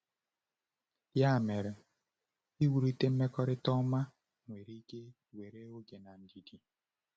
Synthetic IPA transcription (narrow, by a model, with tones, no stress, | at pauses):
ja˦˨mɛ˨ɾɛ˨ | i˦wu˨ɾi˦te˦m̩˦me˦kɔ˦ɾɪ˦tɔ˦ma˦ | ŋwe˨ɾi˦ɡe˦ | we˨ɾe˦o˦ɡe˨na˨n̩˨di˨di˨